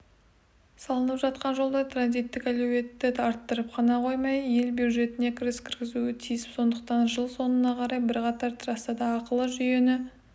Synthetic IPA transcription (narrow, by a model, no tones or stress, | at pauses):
sɑlˠənəpʒɑt̪̚qɑnʒo̞lˠd̪ɑjt̪ɾanzijt̪ːɪkælewe̞t̪ːɪt̪ʰɑɾt̪ːəɾəp̚qʰɑnɑqʰo̞jmɑjje̞lbjuw̪ʒe̞t̪ɪne̞kʲʰɪɾɪskʲʰɪɾɡʲɪzuɪt̪ʰijɪspso̞nd̪əq̚t̪ɑnʒəlˠso̞nənɑqʰɑɾɑjbɪɾqɑt̪ɑɾt̪ʰrɑst̪ɑd̪ɑːqəlˠəʒʏje̞nɪ